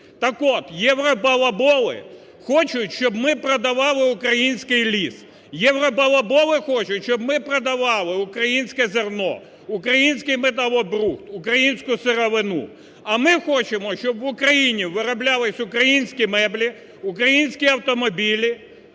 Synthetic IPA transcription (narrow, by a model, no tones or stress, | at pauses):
t̪ɐkɔt̪jɛwɾɔpɐlˠɐbɔlˠɪ̰ | xɔt͡ʃʊtʲʃt͡ʃɔbmɪpɾɐd̪ɐʋɑlˠɪuʊkɾɐjinʲsʲkɪjlʲis | jɛwɾɔbɐlˠɐbɔlˠɪxɔt͡ʃʊtʲʃt͡ʃɔbmɪpɾɔd̪ɐʋɑlˠɪʊkɾɐjinʲsʲkɛzernɔ̰ | ʊkɾɐjinʲsʲkɪjmet̪̬ɐlˠɔbɾuxt̪ʊkɾɐjinʲsʲkʊseɾɔʋɪnṵ | ɐmɪxɔt͡ʃɪmɔʃt͡ʃɔbʋʊkɾɐjinʲiʋɪɾɔblʲalˠɪsʲʊkɾɐjinʲsʲkʲimɛblʲi | ʊkɾɐjinʲsʲkʲiɐwt̪ɔmɔbʲilʲi